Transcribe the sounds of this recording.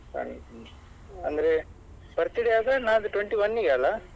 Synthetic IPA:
sɐ̰ɳ | ɐnd̪ɐɾe | b̥ɐɾt̪iɽejaːɡ̪ɐnaːɐd̪uʈweɳʈiʋɐnːiɡeɐlːa

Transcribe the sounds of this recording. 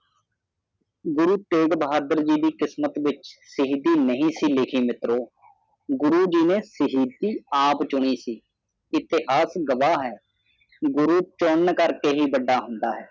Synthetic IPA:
ɡʊɾuːt̪eːɡbəɦaːd̪əɾd͡ʒiːd̪iːkɪsmət̪ʋɪt͡ʃsɪɦiːd̪iːnəɦĩːsiːlɪkʰiːmɪt̪ɾoː | ɡʊɾuːd͡ʒiːnẽːsəɦiːd̪iːaːpt͡ʃʊɳ̃iːsiː | ɪt̪ɪɦaːsɡəʋaːɦɛː | ɡʊɾuːt͡ʃonkəɾkeːɦiːbəɖaːɦʊnd̪aːɦɛː

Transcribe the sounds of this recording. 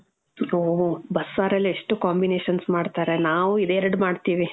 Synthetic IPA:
oːɦbɐsːaːɾɐlːieʂʈukaːmbine̞ːʃɐnsmaːɖt̪aːɾenaːʋuid̪eːɾɐɽmaːɖt̪iːʋi

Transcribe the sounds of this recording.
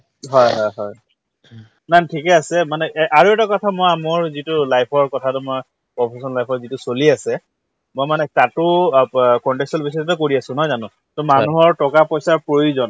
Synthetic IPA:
ɦɔjɦɔjɦɔj | nantʰikɛasɛmanɛʔʔaɹuɛtakɔtʰamojamʊɹzitʊlajpʰɔɹkɔtʰatumɔj | pɹɔpʰesɔnlajpʰɔɹzitʊsoliasɛ | mojmanɛtatʊ | kɔntɛksɔlbis̬ɔttʊkoɹiasʊ̃nɔjzanʊ̃ | tɔmanuɦɔɹtɔkapɔjsaɹpɹojuzɔn

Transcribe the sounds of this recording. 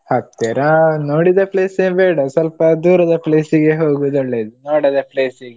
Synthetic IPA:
hɐt̪ːɛɾɐnoːɽid̪ɐpleːsebɛːɽɐsɐlpɐd̪uːɾɐd̪ɐpleːsiɡeɦoːɡud̪ɔɭːeːd̪unoːɽid̪ɐpleːsiɡe

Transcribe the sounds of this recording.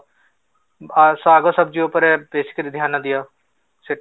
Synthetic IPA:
saːɡɐsɐb̚d͡ʒiopəɾɛbeːsɪ̥kɾid̪ʱjaːnɐd̪ijaː | sɪ

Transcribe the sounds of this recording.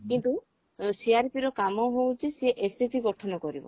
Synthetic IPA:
kint̪u | siaɾpiɾɔkamɔɦowd͡ʒeseeʔesesiɡɔʈʰɔnɔkɔɾibɔ̰

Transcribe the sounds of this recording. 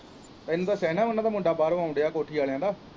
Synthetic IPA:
t̪aɪnũːd̪aːsɛːnaːʋənãːd̪aːmʊ̃ɳɖaːbaːɾʋãːʊ̃ɳɖejaːkoːʈʰiːaːljãːd̪aː

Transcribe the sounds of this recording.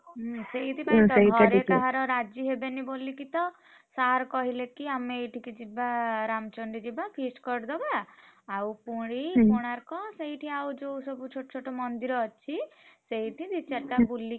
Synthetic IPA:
ɦseɦit̪ʰipaĩt̪ɔ̃ɦɾet̪aɦaɾɔɾad͡ʒiɦebenibolikit̪ɔ | saɾkɔɦilekiameʈʰikid͡ʒibaɾamt͡ʃɔɳɖid͡ʒibapʰiskɔɾd̪ɔbaawpuɽ̃ipoɽ̃aɾkɔseɦiʈʰiawd͡ʒowsɔbut͡ʃʰoʈɔ̥t͡ʃʰoʈɔmɔnd̪iɾɔːt͡ʃʰiseɦiʈʰid̪it͡ʃaʈabuli

